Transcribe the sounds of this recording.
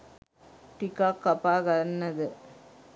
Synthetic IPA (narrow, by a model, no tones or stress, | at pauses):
ʈɪkːaːkːɐpːaːɣɐnːɐðɯ